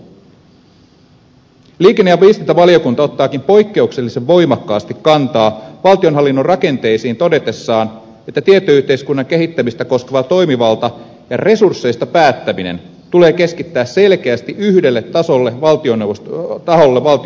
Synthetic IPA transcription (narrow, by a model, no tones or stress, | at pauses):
liːkenːejɑʋiːst̪int̪ɑʋɑlio̞kunt̪ɑo̞t̪ːɑːkimpo̞jkːe̞ukse̞lːise̞ʋːo̞jmɑkːɑːst̪ikːɑnt̪ɑːʋɑlt̪io̞nɦɑlːinːonrɑke̞nt̪e̞ijsiːnt̪o̞de̞t̪e̞sːɑːn | e̞t̪ːæt̪iet̪ːoyht̪e̞jskunːɑŋke̞ɦit̪ːæmist̪æko̞skeʋɑt̪o̞jmiʋɑlt̪ɑ | jɑ̰re̞sursːe̞jst̪ɑpæːt̪ːæminḛn | t̪ule̞ːke̞skit̪ːæːsse̞lk̟e̞æst̪iʔyhde̞lːet̪ːɑso̞lːeʋɑlt̪ionet̪ɑɦo̞lːeʋɑlt̪i